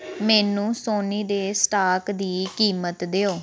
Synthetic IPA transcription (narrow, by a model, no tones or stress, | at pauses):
mɛːnũːsoːniːd̪eːsʈaːkd̪iːkiːmət̪d̪eːoː